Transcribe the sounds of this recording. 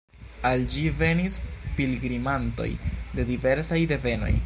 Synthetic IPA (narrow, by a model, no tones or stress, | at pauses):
ald͡ʒive̞nispilɡɾimanto̞̰jde̞dive̞ɾsajde̞ve̞no̞̰j